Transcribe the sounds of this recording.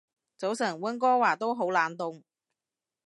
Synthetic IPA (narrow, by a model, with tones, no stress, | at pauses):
t͡so˨˥wsɐ˨˩ŋwɐ˥nkɔː˥waː˨˩t̪o˥wɦo˨˥wlaː˨˧˥nt̪ʊ˨˧ŋ